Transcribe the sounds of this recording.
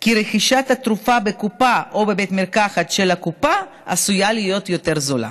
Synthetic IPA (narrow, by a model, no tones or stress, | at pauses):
kiɾeχiʃat̪hat̪ɾufabekupaʔobe̞bet̪meʁkaχat̪ʃelakupa | ʔasujalijo̞t̪jo̞t̪e̞ʁzola̰